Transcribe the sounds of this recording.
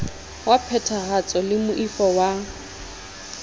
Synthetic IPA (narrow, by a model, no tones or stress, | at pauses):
wapʰɛtʰaɣat͡sʼɔlɪmʊʔifɔwa